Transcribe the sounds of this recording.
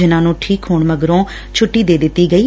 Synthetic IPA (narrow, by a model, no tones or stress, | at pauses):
ɪnãːnũːʈʰiːkɦʊːɳməɡɾõː | t͡ʃʰʊʈːiːd̪eːd̪ɪt̪ːiːɡəiː